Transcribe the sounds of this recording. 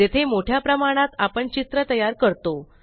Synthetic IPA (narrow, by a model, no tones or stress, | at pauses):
et̪ʰemoʈʰjapɾəmaɽ̃at̪apəɳt͡ɕit̪ɾət̪əjaɾkəɾt̪o